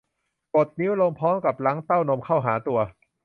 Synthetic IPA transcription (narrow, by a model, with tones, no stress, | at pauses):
ko˨˩t̪̚ni˦˥wlo˧ŋmpʰɔː˦˥mka˨˩p̚la˦˥ŋt̪a˥˩wno˧mkʰa˥˩wɦaː˩˦t̪u˧ɐ